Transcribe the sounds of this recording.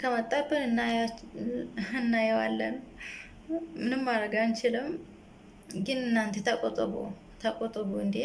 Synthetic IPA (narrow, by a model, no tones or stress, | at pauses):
kʰəmət̪ʼːabɨnɨnːa | ɨnːajɛwa̰lːən | mɨnɨmːaɾəɡant͡ʃɪləm | ɡɨnɨnːant̪ʰet̪ʰakʼot̪ʼəβo̰ | t̪ʰakʼot̪ʼːəβoɨnd̪e